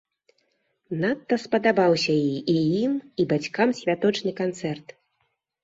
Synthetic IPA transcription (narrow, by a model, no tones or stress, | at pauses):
nat̪ːɐspɐd̪abawsʲɐjiʔijimibat͡sʲkamsʲvʲat̪ɔt͡ʂnɨkant̪sɛrt̪